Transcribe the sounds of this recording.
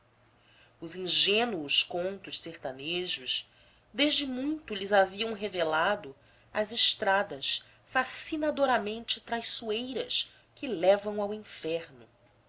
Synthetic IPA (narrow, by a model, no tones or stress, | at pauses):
ʊzĩŋʒẽnuʊskõnt̪ʊʃseχt̪aneʒʊʃ | d̪eʒd͡ʒɪmũj̃t̪ʊlɪzaviɐ̃w̃ɦevelad̪ʊ | ɐzɪʃt̪ɾad̪ɐs | fasinad̪oɾamẽnt͡ʃɪt̪ɾajsuejɾɐʃ | kɪlɛvɐ̃w̃awĩfɛɾnʊ